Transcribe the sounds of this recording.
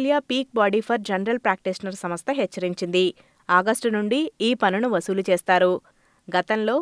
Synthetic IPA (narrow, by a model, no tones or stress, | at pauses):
ljaːpiːk̚baːɖiːpʰɐɾd͡ʒɐnɐɾɐlpɾaːk̚ʈisnɐɾsɐmɐst̪ɐɦɛt͡ʃːɐɾiɲt͡ʃind̪i | aːɡɐsʈunuɳɖiiːpɐnunuʋɐsuːlut͡ʃeːst̪aːɾu | ɡɐt̪ɐnlo̞ː